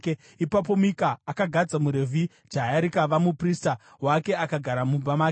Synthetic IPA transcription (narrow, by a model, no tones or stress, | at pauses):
e | ipap̬o̞mikaːkaɡʱad͡zamuɾe̞vʱi | d͡ʒaaɾikaʋamuprista | wake̞akaɡʱaɾamubamaːke